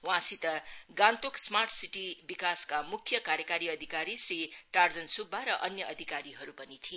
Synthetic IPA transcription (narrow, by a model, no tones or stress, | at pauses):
wãsit̪ʌɡãnt̪oksmarʈsiʈibikaskamukʰjʌkaɾjʌkaɾiʌd̪ʱikaɾisriʈard͡zʌnsubːaɾʌʔʌnjʌʔʌd̪ʱikaɾiɦʌɾupʌnit̪ʰi